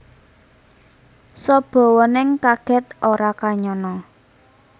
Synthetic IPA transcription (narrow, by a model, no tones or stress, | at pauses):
sɔb̥ɔ̤wɔnɪŋkaɡ̥ɛ̤t̪̚oɾakaɲɔnɔ